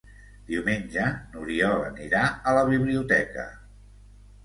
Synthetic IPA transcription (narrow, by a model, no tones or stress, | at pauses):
d̪̥iwmenʲd͡ʒənuɾiɔlə̰niɾaələβ̞iβliut̪ɛkə̰